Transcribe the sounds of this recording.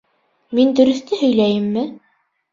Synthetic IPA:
mind̪ɵ̆ɾɵ̆θt̪ɘhɵ̆jlæjɘmːɘ

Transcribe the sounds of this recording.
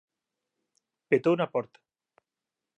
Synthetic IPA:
pet̪ounapɔɾt̪ḁ

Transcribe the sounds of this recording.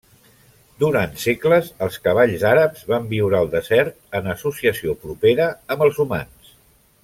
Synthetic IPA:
d̪uɾant̪sekləzəlˠskəβ̞aʎzaɾəpz̥βambiwɾaəlˠd̪əzɛɾt̪̚ənəsusiəsiopɾupeɾəːmbəlˠzuma̰ns

